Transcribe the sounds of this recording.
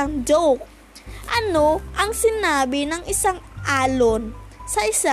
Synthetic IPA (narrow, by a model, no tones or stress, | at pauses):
aŋd͡ʒowk̚ | ʔɐno̞ʔɐŋsɪnaːbɪnɐŋɪsaŋʔaːlonsɐʔɪsa